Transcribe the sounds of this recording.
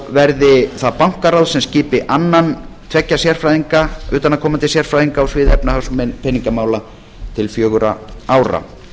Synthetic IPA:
vɛɾðɪθaðpawŋ̥kaɾawðsɛmsciːpɪʔanːant̪ʰvɛcːasjɛr̥fɾajðiŋkaʏːt̪anːakʰɔːmant̪ɪsjɛr̥fɾajðiŋkaːwsvɪːðɛpnaθawsmɛpʰɛnːiŋkamaːwla | t̪ʰɪlfjœːɣʏɾaaːwɾa̰

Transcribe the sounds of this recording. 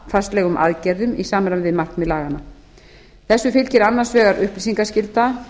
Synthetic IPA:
fast̪lɛːɣʏmʔa̰ðcɛɾðʏmisaːmɾanvɪðmarknmɛðlaːɣanːa | θɛsːʏfɪlcɪɾanːan̥svɛːɣaɾʏhplisiŋkascɪlt̪a

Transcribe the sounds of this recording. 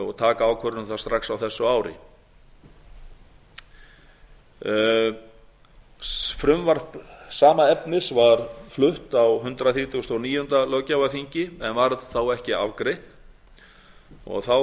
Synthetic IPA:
ɔ̰ɣt̪ʰaːkaaːwkʰœɾnʏmθast̪ɾaxsawθɛsːʏaːwɾɪ̰ | fɾʏmvar̥psaːmaɛpnɪsvaɾ̥flʏht̪awɦʏnt̪ɾaθiːt̪ʰust̪ɔniːjʏnt̪alœcawafiɲcɪɛnvaɾðθawɛhcɪa̰vkɾejht̪ | ɔ̰ɣθaw

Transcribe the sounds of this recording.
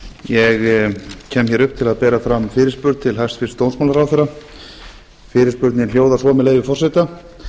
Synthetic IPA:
jɛɣcʰɛːmçɛɾʏhpːt̪ʰɪlaðpɛːɾafɾamfɪːɾɪɾspʏɾt̪̚t̪ʰɪlɦast̪fɪst̪ownsmawlaɾawfθɛɾːa | fɪːɾɪɾspʏɾt̪nɪnljoːwðasvɔmɛleːjvɪfɔr̥sɛt̪a

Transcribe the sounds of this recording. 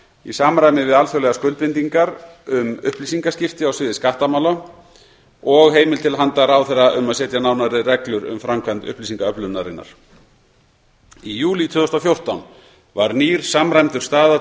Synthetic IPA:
ḭsaːmɾajmɪvɪðalfjœlɛɣaskœlt̪pɪnt̪iŋkaɾʏmʏ̰hplisiŋkascɪft̪ɪawsvɪːðɪskaht̪amawla | ɔɣɦeːjmɪlt̪ʰɪlɦant̪aɾawθɛraʔʏmaðsɛːt̪janaːwnaɾɪrɛklʏɾʏ̰mfɾamkʰant̪ʏ̰hplisiŋkaœplʏnaɾɪnːa̰ɾ̥ | ijuːlit̪ʰvʏːðɔst̪awfjowr̥t̪awn | vaɾniːɾ̥samɾajmt̪ʏɾ̥st̪aːða

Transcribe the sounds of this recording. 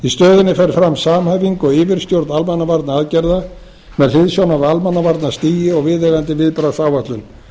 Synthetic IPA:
ist̪œːðʏnːɪfɛɾfɾamːsaːmhaːjviŋkɔɣɪːvɪɾ̥st̪jowɾt̪nalmanːavaɾt̪naaðcɛɾða | mɛðl̥ɪðsjawnavalmanːavaɾt̪nast̪iːjɪɔɣvɪðɛɣant̪ɪvɪðpɾasaːwvaht̪lʏm

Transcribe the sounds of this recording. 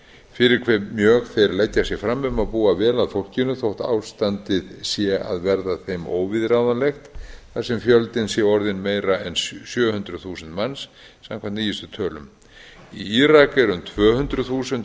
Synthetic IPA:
fɪɾɪɾkʰvɛmjœːɣθejɾlɛcːasjɛɣfɾamːʏmaðpuːavɛːlaðfowl̥cɪnːʏθowht̪a̰ːwst̪ant̪ɪðsjɛa̰ðvɛɾðaθejmo̰ːwvɪðɾaːwðanlɛxt̪θasɛmfjœlt̪ɪnsjɛɔɾðɪnmeːjɾaɛnssjœːhʏnt̪ɾʏθuːsɛnt̪mansː | a̰mkʰvanniːjɪst̪ʏt̪ʰœːlʏ̰m | iiːɾakɛɾʏmt̪ʰv̥œːhʏnt̪ɾʏðθuːsɛnt̪

